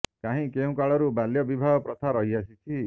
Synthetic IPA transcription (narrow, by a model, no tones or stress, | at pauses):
kaɦĩkeũkaɭɔɾubaljɔbibʱaɡɔpɾɔt̪ʰaɾɔɦias̬it͡ʃʰi